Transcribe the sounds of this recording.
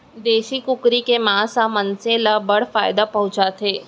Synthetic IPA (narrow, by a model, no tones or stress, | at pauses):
d̪eːʃikʊkɾikemãːsamənsẽlabɐɽ̤faːjd̪apɐɦʊ̃t͡ʃat̪ʰɦeː